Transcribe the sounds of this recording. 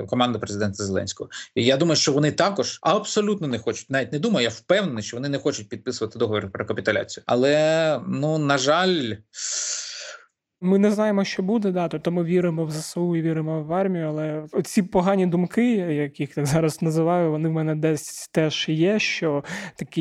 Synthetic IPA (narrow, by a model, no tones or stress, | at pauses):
kɔmɑnd̪ɐpɾezɪd̪ɛnt̪ɐzelˠɛ̰nʲsʲkɔɦɔijad̪umɐjʊʃt͡ʃɔʋɔnɪt̪ɑkɔʒɐbsɔlʲut̪nɔnɛxɔt͡ʃʊ̥tʲnaʋʲitʲnɛd̪umɐjʊjawpɛwnenɪsʃt͡ʃɔʋɔnɪnɛxɔt͡ʃʊt̚ʲpʲid̪̚pɪsʊʋɐt̪ɪd̪ɔɦɔʋʲɔɾʊpɾɔkɐpʲit̪ʊlʲa̰t͡sʲijʊɐ̰lˠɛnunɐʒɑlʲ | mɪnɛznɑjemɔʃt͡ʃɔbud̪ɛd̪ɑt̪ɔp̚t̪ɔmɪʋʲiɾɪmɔwzɐsɐuiʋʲiɾɪmɔwːɑrmʲijʊɐlˠɛɔt͡sʲipɔɦɑnʲid̪umkɪjɐkjixt̪aɡzɑɾɐznɐzɪʋɑjʊʋɔnɪwmɛnɛd̪ɛsʲt̪ɛʒjɛʃt͡ʃɔt̪ɐkʲi